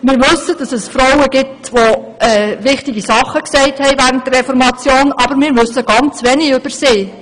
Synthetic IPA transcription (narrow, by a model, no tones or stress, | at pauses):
mɪːɾʋɵsəd̥ɑsɛsfɾɔwəɡ̥ɪp̚tʋo | ɛːvɪχtɪɡisɑχəksɛɪthɛɪvæːɾəntdərːɛfɔɾmɑt͡sjoːnɑbəɾmɪːɾʋʏsːəɡ̥ɑnt͡sʋɛniʏb̥əɾseː